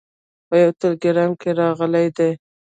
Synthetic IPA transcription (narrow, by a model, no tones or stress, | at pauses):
pəjawt̪əlɡɪɾɑnkeɾɑɣəlajd̪ej